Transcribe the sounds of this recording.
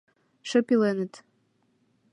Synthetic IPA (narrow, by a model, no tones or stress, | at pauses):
ʃə̆pilenə̆t̪